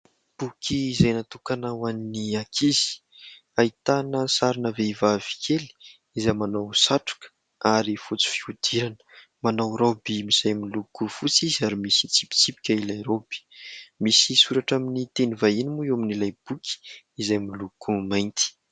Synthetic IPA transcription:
b̥ukʰiːzajnat̪ukanawanniakʰizi̥ | ait̪anəsaɾinaveivavi̥kʰeli̥ | izajmanawsaʈ͡ʂu̥kə̥ | aɾifut͡si̥fiud̪̥iɾanə̥ | manawɾobimiz̥ajmilukufut͡sizaɾimisi̥t͡si̥pi̥t͡sipi̥kʲailajɾob̥i̥misisuɾaʈ͡ʂaminit̪enivainimuwaminilajb̥ukʰi̥ | izajmilukumajnt̪i̥

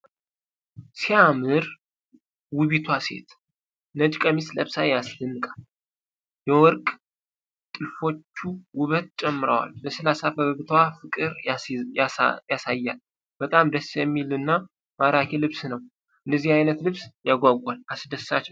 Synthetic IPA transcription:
siamɨɾ | wɨβit̪ʰwase̞̰t̪ | nəd͡ʒkʼəmisləβsajaslɨnːɨkʼal | jɛwɔɾkʼ | t̪ʼɨfo̞t͡ʃːuwʊβət̪̚t͡ʃʼɛmːɨɾə̰wa̰lbəsɨlasafəβəβɨt̪ʰwafɨkʼɨɾjajasajːal | b̥ət̪ʼamd̪əsjɛmːilɨnːa | maɾakʰelɨβsnəw | ɨnːəzihajnət̪lɨβsjaɡʷaɡʷʼalasd̪əsːat͡ʃːɛw

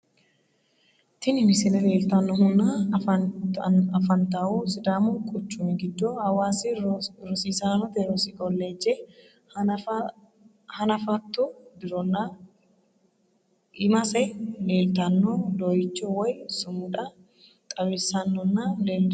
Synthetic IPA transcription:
t̪ɪnɪmɪsɪnɐleːlt̪ɐnːɔhʊnːaɐ | ɐfɐnt̪ɐʔuːsɪd̪aːmʊkʼʊt͡ʃːumɪɡɪd̪ːuhɐwaːsiɾɔsiːsaːnɔt̪ɛɾɔsikʼɔlːeːd͡ʒːɛ | hɐnɐfɐt̪ːubɪɾɔnːa | ɪmɐsɛleːlt̪ɐnːod̪oːjɪt͡ʃːowɐjsʊmuːᶑɐ | kʼɐbesɐnːɔnːaːleːl

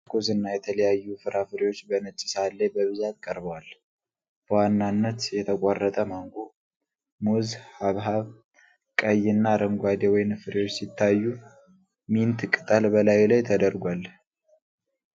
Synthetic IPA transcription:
kʰozɨnːajɛt̪ʰələjajːufɨɾafɨɾewo̞t͡ʃːbənɨt͡ʃʼːɪ̥salːebəβɨzat̪̚kʼəɾbəwal | b̥əwanːanːət̪jɛt̪ʰəkʼorːət̪ʼəmaŋɡo | muzhaβɦaβ | kʼəjːɪnːaɾəŋɡʷad̪ewɔjnfɨɾewot͡ʃːsit̪ʰːajːu | mint̪kʼɨt̪ʼəlbəlajlajt̪ʰəd̪əɾɡʷal

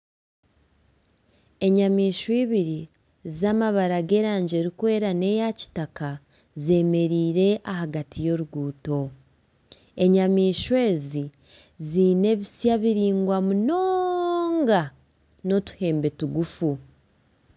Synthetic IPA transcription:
e̞ɲamiːʃwiːβiɾi | zamaβaɾaɡe̞ːɾaːɲɟe̞ɾikwe̞ːɾane̞jaci̥taka | ze̞me̞ɾiːɾe̞ʔahaɡatijo̞ɾuɡuːto̞ | e̞ɲamiːʃwe̞ːzi | zine̞βisjaβiɾiːŋɡwamunoːŋɡa | no̞tu̥he̞ːmbe̞tuɡufu

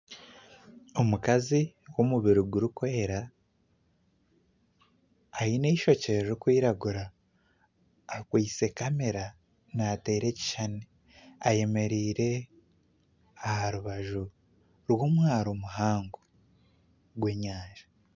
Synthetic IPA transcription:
o̞mukazi | womuβiɾuɡuɾukwe̞ːɾa | ineiʃo̞ceɾɾikwiːɾaɡuɾa | kwiːse̞kame̞ɾa | nate̞ːɾe̞ci̥ʃane | aje̞me̞ɾiːɾe̞ | ahaɾuβaʒu | ɾwoːmwaːɾomuɦaːŋɡo | ɡwe̞ɲaːʒ̥ḁ

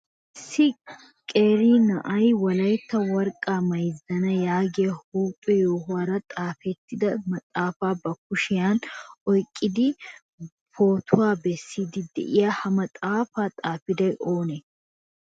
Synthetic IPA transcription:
ɪsːɪ | kʼeːɾiːnɐʔɐjwɐlɐjt̪ːɐwɐɾkʼːaːmɐjzɐnɐjaːɡɪjɐhuːpʼːɛjoːɦʊwaːɾɐt̪ʼaːfɛt̪ːɪd̪ɐmɐt̪ʼaːfaːbɐkʊʃɪjaːnɔjkʼːɪd̪ɪ | pʰo̞ːt̪ʰʊwaːbɛsːiːd̪ɪd̪ɛ̰ʔɪjaːhɐmɐt̪ʼaːfaːt̪ʼaːfɪd̪ɐjʔo̞ːne

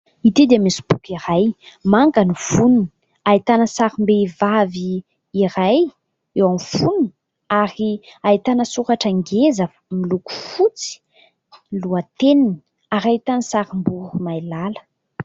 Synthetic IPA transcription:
it̪ed̪iəmisi̥bukiɾajmaŋɡaniv̥unini̥ | ait̪anəsaɾimbevaviː | ɾaj | ewamfuni | aɾiait̪anəsuɾaʈ͡ʂəŋɡezə | miluku̥fut͡si̥ | luat̪enini̥ | aɾaɦit̪anəsaɾimbuɾumajlalə̥

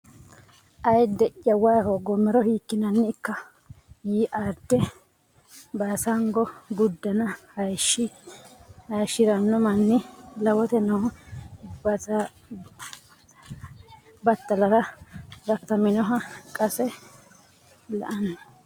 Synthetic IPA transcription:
ʔɐjd̪ɛʔjɐwɐjhɔɡɔmːɛɾɔhiːkːɪnɐnːɪɪkːɐ | jiːʔad̪ːɛ | baːsɐŋɡɔɡʊd̪ːɐnɐhɐjʃːɪ | hɐjʃɪɾɐnːɔmɐnːɪlɐwɔt̪ɛnɔhɐbɐsa | bɐt̪ːɐlɐɾɐɾɐkt̪ɐmɪnɔɦɐkʼɐsɛ | lɐ̰ʔɐnːɐ

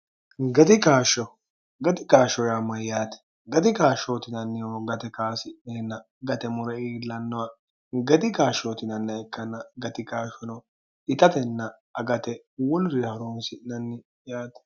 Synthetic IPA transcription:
ɡɐd̪ɪkaːʃːɔ | ɡɐt̪ɪkaːʃɔjamːɐjjaːt̪ɛ̥ | ɡɐd̪ɪkaːʃoːt̪ɪnɐnːɪjoːɡɐt̪ɛkaːsɪɛnːɐ | ɡɐt̪ɛmʊɾɐiːlːɐnːɔwɐ | ɡɐd̪ɪkaːʃoːt̪ɪnɐnːɛkːɐnːɐɡɐt̪ɪkaːʃɔnɔ | ɪt̪ɐt̪ɛnːɐ | ɐɡɐt̪ɛ | wɔnɾɪhɐɾonsɪnɐnːɪ | jaːt̪ɛ̥

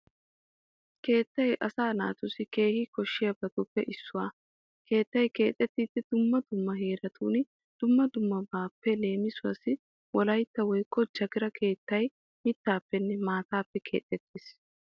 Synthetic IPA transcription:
ke̞ːt̪ːɐjʔɐsaːna̰ːt̪ʊsɪke̞ːhɪkɔʃːɪjɐbɐt̪ʊpːɛʔɪsːʊwaː | ke̞ːt̪ːɐjke̞ːt̪ʼːɛt̪ːiːt̪ːɛd̪̥ʊmːɐd̪ʊmːɐɦe̞ːɾɐt̪ʰuːnɪ | d̪̥ʊmːɐd̪ʊmːɐbaːpːɛle̞ːmɪsʊwɐsɪ | wɔlɐjt̪ːɐwɔjkʼːɔd͡ʒɐɡɪɾɐkʰe̞ːt̪ːɐj | mɪt̪ːaːpːɛnːɛmaːt̪aːpːɛkʰe̞̰ːt̪ʼːɛt̪ʰːiːs

